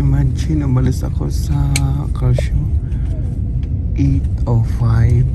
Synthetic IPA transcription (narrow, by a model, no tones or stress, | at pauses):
mant͡ʃʰinɔbalisa̰kʰɔsa | kaʃɔ | etɔfaj